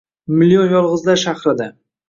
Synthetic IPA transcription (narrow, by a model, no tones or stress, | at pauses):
mɪlijonjɒlˠʁɨzlaɾʃahɾɪd̪a